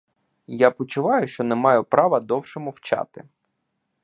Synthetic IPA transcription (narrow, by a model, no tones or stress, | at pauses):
japɔt͡ʃʊʋɑjʊʃt͡ʃɔnɛmɑjʊpɾɑʋɐd̪ɔwʃɔmʊwt͡ʃɑ̰t̪ɪ̰